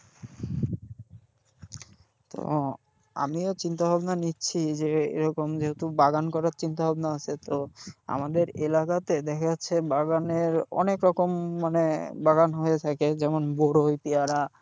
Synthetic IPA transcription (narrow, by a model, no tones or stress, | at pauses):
t̪o̰ | a̰miot͡ɕint̪abʱabnanitːɕʰid͡ʑeḛɾɔkomd͡ʑeɦet̪ubaɡankɔɾaɾt͡ɕint̪abʱabnaat͡ɕʰet̪oa̰mad̪eɾelakat̪ed̪ɛkʰat͡ɕʰebaɡaneɾɔ̰nekɾɔkomːanebaɡanɦoet̪ʰaked͡ʑɛmonboɾojpiaɾa